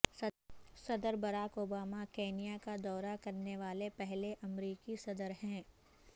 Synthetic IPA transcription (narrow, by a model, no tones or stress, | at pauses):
sɐd̪əɾbɐɾaːkoːbaːmakeːnijakad̪ɔːɾakɐɾneʋaːlepɛɦleʔɐmɾiːkisɐd̪əɾɦɛ̃ː